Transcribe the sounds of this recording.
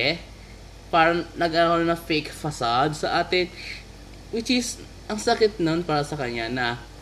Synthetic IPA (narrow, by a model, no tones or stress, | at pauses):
ɛ | paːɾɐŋnɐɡʔaːŋonɐfejkfɐsad̪sɐʔaːt̪ɪ | wɪt͡ʃɪs | ʔɐŋsɐkɪt̪̚nonpaːɾɐsɐkɐɲanɐ